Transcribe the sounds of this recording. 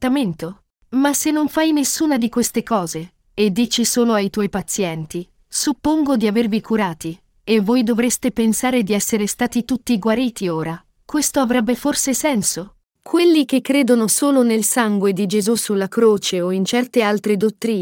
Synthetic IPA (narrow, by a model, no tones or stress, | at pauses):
t̪ament̪o | masenːoɱfajnesːuːnad̪ikwest̪ekɔːze | ed̪ːiːt͡ʃisoːloajt̪wɔjpat̪sːjɛnt̪i | supːoŋɡod̪iavervikʰuɾaːt̪i | evːoːjd̪ovɾest̪epensaːɾed̪iɛsːeɾest̪aːt̪it̪ut̪ːiɡwaɾiːt̪ioːɾa | kwest̪oavɾɛbːeforsesɛnso | kʰwelːikekːɾeːd̪onosoːlonelsaŋɡwed̪id͡ʒezusulːakɾoːt͡ʃeoint͡ʃɛrt̪ealt̪ɾed̪ot̪ːɾiː